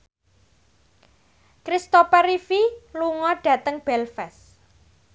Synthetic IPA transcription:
kɾist̪opɛɾifiluŋɔɖ̥ä̤t̪əŋb̥ɛlfɛs

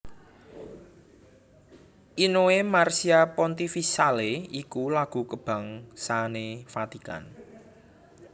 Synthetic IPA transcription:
ʔinoemarsiapɔnt̪ifisaleikulaɡ̥ṳkəb̥ä̤ŋsanefat̪ika̰n

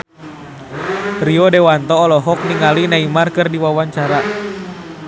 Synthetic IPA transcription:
riɔdɛwant̪ɔːlɔɦɔk̚niŋalinaimarkɨrdiwawaɲt͡ʃaɾa

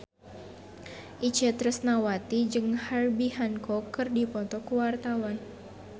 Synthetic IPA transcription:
ʔit͡ʃət̪ɾəsnawat̪id͡ʒɨŋharbihankɔkɨrdipɔt̪ɔkuwart̪awan

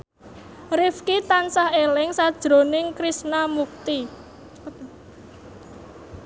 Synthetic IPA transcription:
rɪfkit̪ansahelɪŋsad̥ʒ̥ɾo̤nɪŋkɾisnamuk̚t̪i

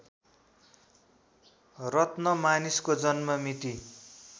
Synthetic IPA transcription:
rʌt̪nʌmaniskod͡zʌnmʌmit̪i

